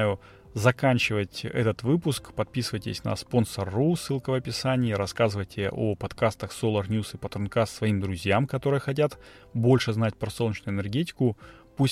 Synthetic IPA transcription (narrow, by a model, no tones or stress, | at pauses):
jʊ | zɐkanʲt͡ɕɪvətʲɛ̰t̪ət̪vɨpʊskpɐt̪̚pʲisɨvəjtʲɪ̰sʲnə̰spo̞nsərːusːɨlˠkəvɐpʲɪsanʲɪːɾɐskazɨvəjtʲʰɪʔo̰pɐt̪kast̪əxsolˠərnʲjusɨpət̪ɾʊnkasvɐimd̪ɾʊzʲjamkɐt̪o̞ɾɨjəxɐt̬ʲat̪ | bo̞lʲʂɨznat̚ʲpɾɐsolˠnʲɪt͡ɕnʊɪnʲɛrɡʲet̬ʲɪ̥kʊpusʲ